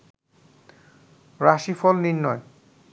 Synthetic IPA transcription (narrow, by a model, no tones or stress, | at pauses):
ɾaʃifɔlninːɔe